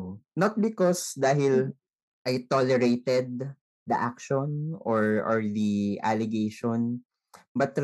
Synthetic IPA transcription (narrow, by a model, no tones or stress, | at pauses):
nɐt̪̚bɪkɔsd̪aːɦɪl | ʔajt̪olɛɹejt̪ɛd̪̚ | d̪ɐʔak̚ʃɔnɔɹʔɔɹd̪iʔalɛɡejʃɔn | bɐt̪ɾ